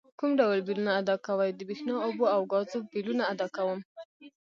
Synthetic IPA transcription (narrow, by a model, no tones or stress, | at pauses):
kumɖawlbilunaːd̪ɑkawajd̪əbexnɑoboawɡɑzobilunaːd̪ɑkawəm